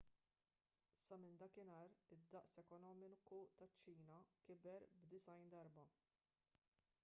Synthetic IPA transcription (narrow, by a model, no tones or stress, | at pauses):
sɐmɪnd̪ɐkɪnɐːɾɪd̪ːɐʔsɛkɔnɔːmɪnkut̪ɐt͡ʃːiːnɐkɪbɛɾbd̪ɪsɐjnd̪ɐɾbɐ